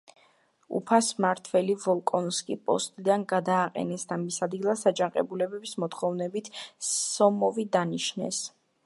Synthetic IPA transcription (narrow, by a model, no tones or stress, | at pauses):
ṵpʰasmaɾt̪ʰvɛlivɔlˠkʼɔnskʼipʼɔ̰st̪ʼid̪anɡad̪aːqʼɛ̰nɛsd̪amisad̪ɡilˠasad͡ʒaqʼɛ̰bulɛbɛbismɔt̪χɔvnɛbit̪ʰːɔmɔvid̪aniʃnɛ̰s